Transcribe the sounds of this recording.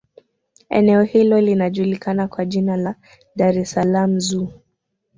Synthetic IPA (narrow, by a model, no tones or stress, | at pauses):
ɛ̰nɛɔhilɔlinaʄulikanakwaʄinala | ɗaɾɛsalam̩zuː